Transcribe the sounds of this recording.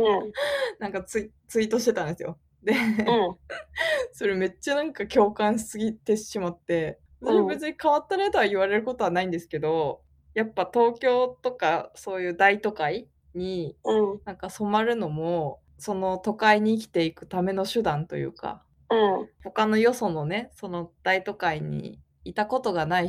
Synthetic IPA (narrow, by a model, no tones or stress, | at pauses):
nãŋkat͡sɨi | t͡sɨit̪o̞ɕi̥t̪e̞t̪ãnd̪e̞sɨjo | d̪e̞ | so̞ɾe̞me̞t͡ɕːanãŋkakʲo̞ːkãɰ̃ɕsɨɡʲit̪e̞ɕɕimat̪ːe̞ | soɾebe̞t͡sɨɲ̟ikaβat̪ːanaet̪oβaiβ̞aɾe̞ɾɯ̟ko̞t̪o̞βanaĩnd̪esɨ̥ke̞d̪o̞ | japːat̪o̞ːkʲo̞ːt̪o̞kaso̞ːjɯ̟ːd̪ait̪o̞kai | ɲ̟iɯ̃nãŋkaso̞maɾɯ̟no̞mo̞ | so̞no̞t̪o̞kaiɲ̟iːk̬ʲi̥t̪e̞ikɯ̟̥t̪ame̞no̞ɕɨd̪ãnt̪o̞̰jɯ̰ːka̰ | ɯ̃ho̞kano̞jo̞so̞no̞ne̞so̞no̞d̪̥ait̪o̞kaiɲ̟ḭː | t̪ako̞t̪o̞ɡanai